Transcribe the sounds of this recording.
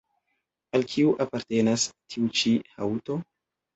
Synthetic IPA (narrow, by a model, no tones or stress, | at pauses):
alkʰiuʔapaɾte̞nastʰiut͡ʃiha̰wto̞